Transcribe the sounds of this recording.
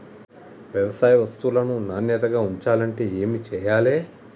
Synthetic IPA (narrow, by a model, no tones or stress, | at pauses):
ʋjɛʋɐsaːjɐʋɐst̪ulɐnunaːnjɛt̪ɐɡaːuɲt͡ʃaːlɐɳʈe̞ːeːmit͡ʃɛːjaːle̞ː